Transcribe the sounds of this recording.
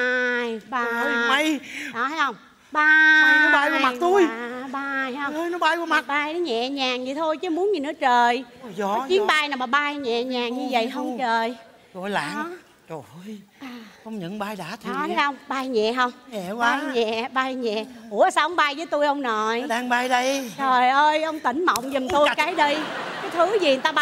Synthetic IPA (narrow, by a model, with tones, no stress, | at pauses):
ʔaː˧jɓaː˨˧˩ma˧jɗɔ˨˦t̪ʰaː˨˦jhə˧wŋ͡m | ɓaː˧nɔ˨˦ɓaː˧jvu˨˧˦ma˨t̚t̪u˧jɓaː˧jhhə˧jnɔ˨˦ɓaː˧jvu˨˩ma˨˩t̚ɓaː˧jnɔ˨˦ɲɛ̰˧˨ɲaː˨˩ŋzi˨˩t̪ʰo˧jt͡ɕɨ˨˦mu˨˦ənɲɨ˨˩nɨ̰˧˦ət͡ɕəː˨˩jɔ˨˦t͡ɕi˨˦ənɓaː˧jnaː˨˩ɓaː˨˩ɓaː˧jɲɛ̰˧˨ɲaː˨˩ŋɲɨ˧və̰˧˨jɦə˧wŋ͡mt͡ɕəː˨˩j | t͡ɕo˨˩jla̰ː˧˨˦ | t͡ɕo˨˩˧jʔaː˨˩ə˧wŋ͡mɲɨ̰˧˨˦ŋɓaː˧jɗaː˧˥t̪ʰi˨˦a˨˦ʔə˧wŋ͡mɓaː˧jɲɛ̰˧˨ɦə˧wŋ͡mɲɛ̰˧˨wɓaː˨˧jɲɛ̰˧˨ɓaː˧jɲɛ̰˧˨ku˧˩əsaː˧wʔə˧˦wŋ͡mɓaː˧jzəː˨˦jt̪u˧jʔə˧wŋ͡mnɔ˨˩jɗaː˧ŋɓaː˧jɗə˧jt͡ɕo˨˩jʔəː˧jʔə˧wŋ͡mt̪ï˧˩ŋ̟mə̰˧˨wŋ͡mzɨ˨˩mt̪u˧˨kaː˨˦jɗi˧jkaː˨˦jt̪ʰɨ˨˦zi˨˩ə˨˩t̪aː˧ɓ